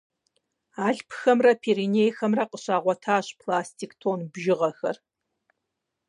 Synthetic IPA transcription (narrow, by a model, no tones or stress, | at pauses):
aːɮpʰxɐmrɐpʰeːɾinejxɐmrɐqəɕaːʁʷɔtʰaːɕpʰlaːstʰiːktʰoːnbʒɪʁɐxɐ̰r